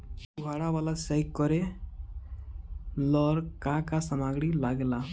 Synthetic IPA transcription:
puɡʱaːɽawaːlasɛjkːɔɾe | lɔɾkãkasamaɡɽilaɡla

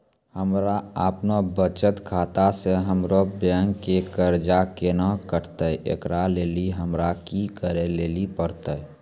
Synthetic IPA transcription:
həmɾaəpnobət͡ʃət̪kʰaːt̪aseɦəmɾobjaŋkekəɾd͡ʒakenakəɾt̪əḛkɾaleːliɦəmɾakikəɾeleːlipəɾt̪ə

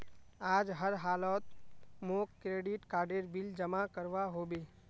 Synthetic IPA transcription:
aːd͡ʒɦəɾɦaːlɔːt̪̚moːkːɾeːɖɪʈkaːɾɖeɾbɪld͡ʒəmakəɾʋaɦoːbeː

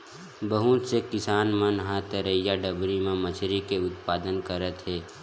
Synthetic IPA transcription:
bəɦut̪sekɪsaːnmənɦãt̪əɾəjaɖəbɾimẽmət͡ʃʰɾikeʊt̪paːd̪ənkəɾət̪ɦɛː

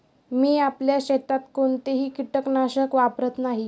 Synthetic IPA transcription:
miːapljaɕet̪at̪koɳt̪eɦiːkiʈəknaɕəkʋapɾət̪naɦi

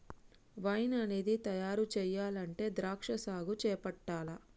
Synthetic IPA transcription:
ʋɐjnɐneːd̪it̪ɐjaːɾut͡ʃɛːjaːlɐɳʈe̞ːd̪ɾaːkʂɐsaːɡut͡ʃɛːpɐʈːaːlɐ

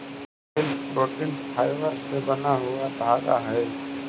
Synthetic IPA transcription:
ɪlboːʈɪnpʰaːɪʋəɾsebɐnaɦʊad̪ʱaːɡa̰ɦɛː

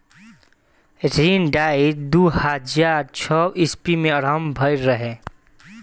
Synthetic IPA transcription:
et̪ʰɾinɖaːid̪uhad͡ʒaːɾt͡ʃʰɔʔɪspimẽəɾɦəmbʱəɪɾːəɦe

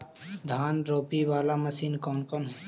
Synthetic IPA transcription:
d̪ʱaːnɾoːpiʋaːlamɐsiːnkɔnkɔn

